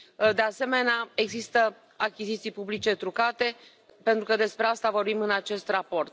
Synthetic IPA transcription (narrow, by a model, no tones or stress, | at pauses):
d̪e̞ase̞me̞neae̞ɡzist̪ə | akʲizit̪sijpublit͡ʃe̞t̪ɾukat̪e̞ | pe̞nt̪ɾukəd̪e̞spɾe̞ast̪avo̞rbimɨnat͡ʃe̞st̪rapo̞rt̪